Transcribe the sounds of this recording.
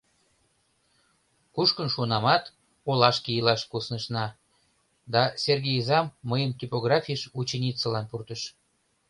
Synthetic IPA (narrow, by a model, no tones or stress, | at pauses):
kuʃkənʃunɑmɑt̪ | olɑʃkijəlɑʃkusnəʃnɑ | d̪ɑserɣejzɑmːəjəmt̪ʲipoɣrɑfʲiəʃut͡ɕenʲit͡səlɑnpurt̪əʃ